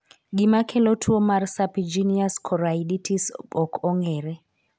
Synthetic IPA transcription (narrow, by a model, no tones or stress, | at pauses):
ɡimakʰɛlɔtʰwomarsapid͡ʒiniaskʰɔɾaiditʰisɓɔkʰɔŋɛɾɛ